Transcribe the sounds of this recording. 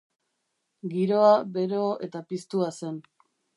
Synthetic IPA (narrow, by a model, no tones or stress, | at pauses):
ɡiɾo̞aβe̞ɾo̞e̞t̪apist̪uase̞n